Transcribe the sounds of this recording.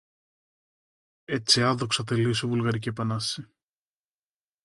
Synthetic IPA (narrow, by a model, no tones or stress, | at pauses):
et͡siɐðoksɐθeliosovulɣɐɾicipɐnɐsi